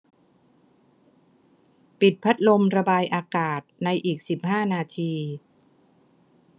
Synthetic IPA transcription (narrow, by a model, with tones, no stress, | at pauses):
pi˨˩t̪̚pʰa˦˥t̪̚lo˧mɾa˧baː˧jʔaː˧kaː˨˩t̪̚na˧jʔiː˨˩k̚si˨˩p̚haː˥˩naː˧t̪ʰiː˧